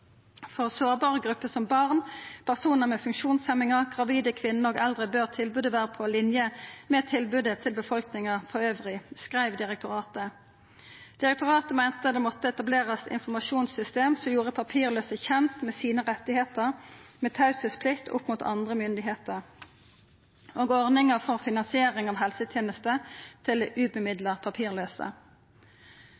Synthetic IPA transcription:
fɔʁsoːʁbɑːʁəɡʁʉpːəsɔmbɑʁnpʰæʁsuːnəʁmɛːfʉŋkʃuːnsɛmɪŋəʁɡʁɑʋiːd̪əkʰʋɪnːəɔːɡɛld̪ʁəbøːʁt̪ʰɪlbʉːd̪əʋæːʁəpʰɔːlɪnjəmɛːt̪ʰːɪlbʉd̪ət̪ʰɪlbəfɔlknɪŋəʁfɔʁøːʋʁɪskʁæɪʋd̪ɪʁɛk̚t̪ʰʊʁɑːt̪ə | d̪̥ɪʁɛk̚t̪ʊʁɑːt̪əmæɪnt̪əd̪ɛːmɔt̪ːəɛt̪ɑbleːʁəsɪ̰nfɔmɑʃuːnsʏst̪eːmsɔmjuːʁəpʰɑpʰiːʁløːsəçɛnt̪mɛːsiːnəʁɛt̪ːɪheːt̪əʁmɛːt̪ʰɑʉsəspʰlɪkt̪ʰʊ̰pːmuːt̪ʰɑ̰nd̪ʁəmʏnd̪ɪɦeːt̪əʁ | ʔoːɡɔʁnɪŋəfɔʁfɪnɑnsɪeːʁɪŋɑːʋhɛlsət̪ʰjeːnəst̪ət̪ʰɪld̪ɛʔʉːbəmɪd̪ləʁpʰɑpʰiːʁløːsə̰

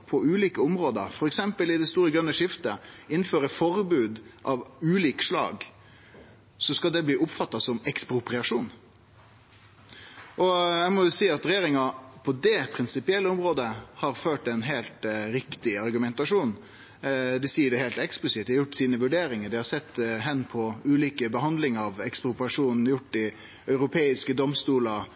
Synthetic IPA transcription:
pʰɔʉːliːkəʊmɾoːd̪ə̰ɾfɔɾɛksɛmpəlɪd̪ɛst̪uːɾəɡɾʉnːəʂɪft̪əɪnːføːɾəfɔɾbʉːd̪ʔɑʋʉːliːkʂlɑ̰ːɡ | sɔskɑld̪ɛbliːʔʊpfɑt̪ːɑsɔmɛkspɾʊpɾɪɑʂuːn | ʔɔæmɔjʊsiːɑt̪ɾɛjeːɾɪŋɑpʰɔd̪ɛpʰɾɪnsɪpɪɛlːəɔmɾoːd̪əhɑɾføːʈɛnɦeːlt̪ɾɪkt̪ɪɑɾɡʉmɛnt̪ɑʂuːn | d̪ɛsiːəɖɛhɛːlt̪ɛksplɪsɪt̪̚d̪ɪhɑɾjʊʈːsiːnəʋʉɖeːɾɪŋəɖ̪ɪhɑsɛt̪ːɦɛnːpʰɔʉːliːkəbəɦɑnd̪lɪŋəɾɑʋɛkspɾʊpɾɪɑʂuːnnjʊʈːd̪ɪ | œʏɾʊpʰeːɪskəd̪ɔmst̪uːlɑ

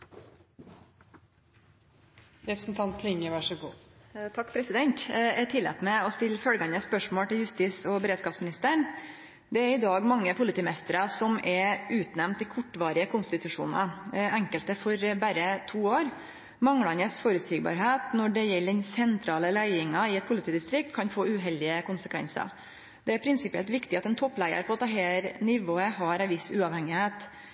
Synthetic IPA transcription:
ɾɛpɾsn̩t̪ʰɑnt̪̚ʰlɪŋəʋæʂəɡṵːt̪ʰɑkːpʰɾɛsɪd̪ɛnt̪ɛt̪ʰɪlːɛ̰t̪mɛɔst̪ɪlːfœlɡɑnəspœʂmoːlʈ̪ɪljʉst̪iːsɔbəɾeːd̪skɑːpsmɪnɪst̪əɳ | d̪ɛæɾɪd̪ɑːɡmɑŋːəpʰʊlɪt̪iːmɛst̪əɾɑsɔmɛɾʉːt̪nɛmnt̪ɪkʰʊʈːʋɑːɾɪəkʰʊnst̪ɪt̪ʉʂṵːnɑ̰ɛŋkəlt̪əfɔɾbæɾət̪ʰuːoːɾ | mɑŋlɑnəsfoːɾʉt̪sʋiːɡ̚bɑ̰ːɾɦeːt̪nɔɖɛjɛlːd̪ɛnsɛnt̪ʰɾɑːləlæɪɪŋɑɪɛt̪̚pʰʊlɪt̪ʰiːd̪ɪst̪ɾɪk̚t̪kʰɑnfoːʉɦɛld̪ɪəkʊnsəkʰʋɛ̰nsɑ̰ɾ | d̪̥ɛæɾpʰɾɪnsɪpɪɛ̰lt̪ʋɪkt̪ɪɑt̪ɛnt̪ʰɔpːlæɪə̰ɾpʰɔɑt̪̚d̪ɛɦæːɾnɪʋoːəɦɑɾæɪʋɪsʉːɑʋhɛŋɪheːt̪

